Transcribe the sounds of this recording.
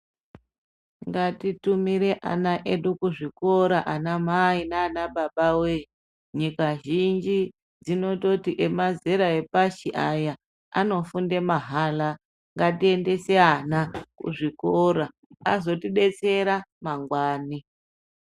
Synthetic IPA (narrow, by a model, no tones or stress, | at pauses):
ŋɡatitumiɾe̞ʔa̰naʔe̞ɗukuʐiko̞ɾaʔanamainaːnaɓaɓawe | ɲikaʒind͡ʒi | d͡zino̞totiʔemazeɾae̞paʃiʔaja | ano̞funde̞maɦala | ŋɡatie̞nde̞seanakṵʐikoɾaː | zo̞tiɗe̞t͡se̞ɾamaŋɡwaːni